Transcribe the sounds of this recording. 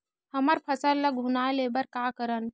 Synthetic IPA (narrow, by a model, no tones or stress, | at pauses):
həməɾpʰəsəlləɡʱunalebəɾkaːkəɾən